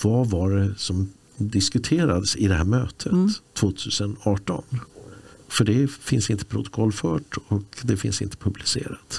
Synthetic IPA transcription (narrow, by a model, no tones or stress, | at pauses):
vavaɖɛsɔm | d̪ɪskɵt̪ʰeːɾad̪əsɪd̪ɛhæːɾmøːt̪ʰət̪ʰːvoːt̪ʰʉ̟ːsənɑːʈɔ̰n | fœɖɛfɪnsɪnt̪ə̥pʰɾʊ̰t̪ɔ̥kʰɔlːfœːʈɔkd̪ɛfɪ̰nsɪ̰nt̪ʰə̥pʰɵblɪsḛːɾat̪